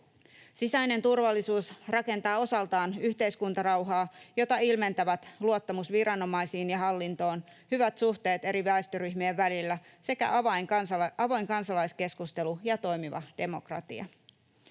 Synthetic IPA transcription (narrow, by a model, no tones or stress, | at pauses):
sisæjne̞nt̪urʋɑlːisuːsrɑke̞nt̪ɑːo̞sɑlt̪ɑːnyçt̪e̞jskunt̪ɑɾɑwɦɑːjo̞t̪ɑilme̞nt̪æʋæt̪luot̪ːɑmusʋirɑno̞mɑjsiːnjɑɦɑlːint̪o̞ːn | hyʋæt̪suht̪e̞ːt̪e̞ɾiʋæˑest̪øɾyçmieʋːælilːæse̞kæ̰ɑjsɑʋo̞jŋkɑnsɑlɑjske̞skust̪e̞lujɑt̪o̞jmiʋɑ̰d̥e̞mokrɑ̰t̪iɑ̰